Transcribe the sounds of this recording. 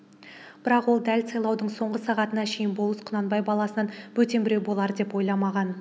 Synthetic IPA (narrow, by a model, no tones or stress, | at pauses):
b̥ɪɾɑqwo̞lˠd̪ælsɑjlˠɑwd̪əɴso̞ɴʁəsɑʁɑt̪ənɑʃe̞jɪnbolˠəsqʰʊnɑnbɑjbɑlˠɑsənɑnwɵt̪e̞mbɪɾewbo̞lˠɑɾəd̪e̞pwo̞jlˠɑmɑʁɑn